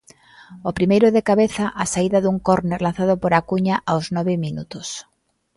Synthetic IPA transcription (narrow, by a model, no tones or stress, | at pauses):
opɾimejɾʊðekaβeθaʔasaiðaðuŋkɔɾneɾlanθaðʊpoɾakuɲaʔawznɔβɪminut̪os